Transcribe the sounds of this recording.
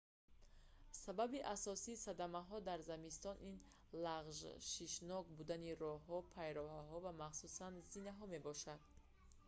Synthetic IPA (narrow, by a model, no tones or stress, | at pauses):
sababiʔasɔsiːsad̪amaɦɔd̪aɾzamist̪ɔnʔin | laʁʒʃiʃnɔɡbud̪aniɾɔɦɔpʰajɾɔɦaɦɔvamaχsusanzinaɦɔme̞bɔʃad̪̚